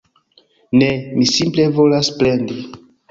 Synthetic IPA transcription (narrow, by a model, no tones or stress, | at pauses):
nemisimple̞vo̞lasplendi